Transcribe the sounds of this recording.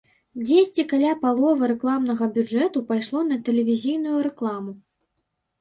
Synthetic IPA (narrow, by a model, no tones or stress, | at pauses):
d͡zʲesʲt͡sʲikalʲapalˠɔvɨɾɛklˠamnɐɣɐbʲud͡ʐɛt̪upajʂlˠɔn̪ɐt̪ɛlʲɛvʲizʲijnujuɾɛklˠamu